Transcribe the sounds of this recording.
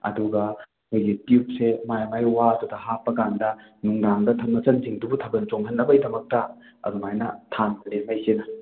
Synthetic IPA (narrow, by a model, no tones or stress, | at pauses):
ɐ̰duɡɐ | ojɡitiup̚semajmajwatudɐhapːɐkandɐnuŋdaŋdɐtʰɐp̚nɐt͡ʃɐnziŋdubutʰɐbɐnt͡ʃoŋɦɐnːɐbɐjdɐmɐk̚tɐ | ɐ̰dumajnɐtʰanpɐlemajsenɐ